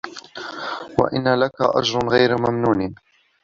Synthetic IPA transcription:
wa̰ʔɪnːalakaʔa̰d͡ʒɾˤʊnɣajɾmamnuːn

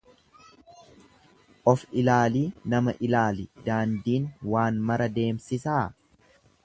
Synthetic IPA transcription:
ʔɔfɪlaːliːnɐmɐʔɪlaːlɪd̪aːnd̪iːnwaːnmɐɾɐd̪e̞ːmsɪsaː

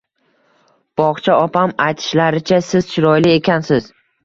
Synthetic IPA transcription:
b̥ɒʁt͡ʃʰaɒpʰamajt̪ʰɪ̥ʃlaɾɪt͡ʃʰasɪz̥t͡ʃʰɪɾɒjlɪe̞kʲʰansɪz̥

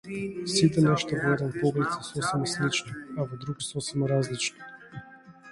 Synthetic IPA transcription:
sit̪ɛnaʃi̥t̪avɔɛd̪ɛnpɔblit̪sɛsɔsɛmaslit͡ʃniavɔd̪ɾuɡsɔsɛmaɾazlit͡ʃni̥

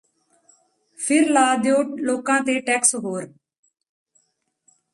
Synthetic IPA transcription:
pʰɪɾlaːd̪joːloːkãːt̪eːʈɛːksɦoːɾ

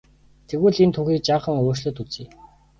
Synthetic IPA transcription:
t̪ʰeɣuːɮent̪ʰuxʲiːk̚t͡ɕaːχə̆ŋoːʃɮɵ̆t̪ut͡siː

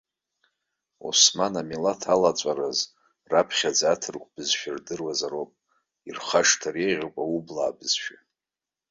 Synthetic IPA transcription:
ṵsmanamilatʰalat͡sʷʼaɾaz | rapʰχʲad͡zatʰɨrkʷʰʼb̥ɨzʃᶣardɨrwazaɾopʼ | irχaʂtʰareʁʲokʷʼaubla̰ːbɨz̥ʃᶣa

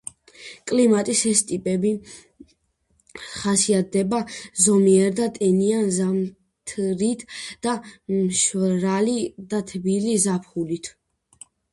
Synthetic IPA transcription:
kʼlimat̪ʼisɛst̪ʼipʼɛbi | χasiat̪̚d̪ɛbazɔmiɛɾd̪at̪ʼɛnianzam | t̪ʰɾit̪ʰd̪̥amʃɾalid̪at̪ʰbilizapʰχulit̪ʰ

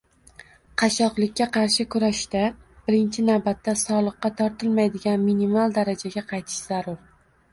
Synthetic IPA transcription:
qʰɑʃɒqlˠɪk̚ʲːaqʰɑɾʃɪkʰʊɾaʃd̪ab̥ɪɾɪnt͡ʃʰɪnawbat̪ːasɒlˠɨqːɑt̪ʰɒɾt̪ʰɪlˠmajd̪ɪɡʲanminimalˠd̪aɾad͡ʒaɡʲaqʰɑjt̪ʰɪ̥ʃz̥aɾʊɾ

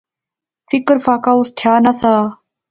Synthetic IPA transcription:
fɪkəɾfaːkaːust̪ʰjaːnasaː

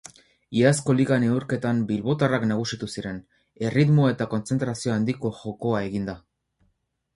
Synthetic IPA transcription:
iasko̞liɣane̞uɾke̞t̪ambilβo̞t̪araknaɣ̞usit̪usiɾe̞n | e̞rit̪mo̞e̞t̪ako̞nt͡se̞nt̪ɾasio̞and̪iko̞ʝo̞ko̞aeɣind̪a

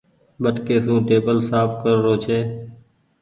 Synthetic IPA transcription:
ɓəʈkeːsũːʈeːbəlsaːpʰkəɾːoːt͡ʃʰeː

